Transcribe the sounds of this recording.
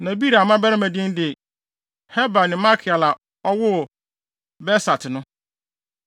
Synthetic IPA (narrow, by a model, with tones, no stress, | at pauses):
nã˨bi˦ɾa˨mã˦bɛ˦ɾɪ˦mæ̃˨dɪ̃˦ndɪ˨ | hɛ˦ba˨nɪ̃˨ma˦kʰɪ˨a˨la˨ | ɔ˦wʊ˦˨ | bɛ˦sa˨tʰɪ˨nʊ̃˦